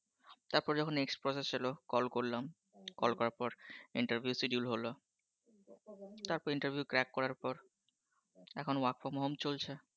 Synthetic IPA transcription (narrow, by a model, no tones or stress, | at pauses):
t̪aɾpɔɾd͡ʑɔkʰonekspɾɔsest͡ɕelokɔlkoɾlam | kɔlkɔɾaɾpɔɾiɳʈaɾbʱjusiɖijulɦolo | t̪aɾpɔɾiɳʈaɾbʱjukɾɛkːɔɾaɾpɔɾ | ɛkʰonakfomɔɦomt͡ɕolt͡ɕʰe